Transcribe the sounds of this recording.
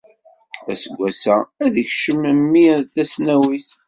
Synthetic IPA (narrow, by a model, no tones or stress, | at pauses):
æsəɡʷːæsææðəçʃəməmːiθæsnæwiθ